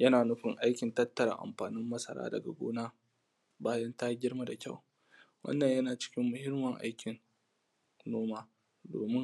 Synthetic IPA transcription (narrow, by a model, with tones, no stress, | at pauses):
jɐ˦naː˨nʊ˦ɸɪ˨ŋʔa˦jkʲɪ˨ntɐ˦tːɐ˨ɾa̰˨ʔa̰˨mɸaː˨nɪ˦mːɐ˦sɐ̰˨ɾa̰ː˦dɐ̰˨ɡa̰˨ɡʷo̰ː˦naː˦ | baː˦jɐ˦nta˦ɡʲɪ˦ɽma˨da˨kʲa˦˨w | wɐ̰˦nːɐ˨ɲjɐ˦naː˨t͡ʃɪ̥˦kʲɪ˦mːʊ˨hɪ˦mːɐ˨ŋʔa̰˦jkʲɪ˨n | noː˦maː˦ | do̰ː˨mɪ˦ŋ